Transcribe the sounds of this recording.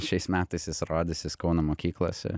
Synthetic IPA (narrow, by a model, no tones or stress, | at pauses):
ʃʲɛɪsmʲæːt̪ɐɪsjɪsɾɑːd̪ʲɪsʲjɪskɐʊnɐmoːkʲiːklˠo̰ːsʲɛ̰